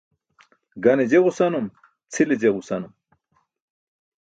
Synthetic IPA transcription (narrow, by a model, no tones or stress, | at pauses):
ɡɐned͡ʑeʁusanum | t͡sʰiled͡ʑeʁusɐnum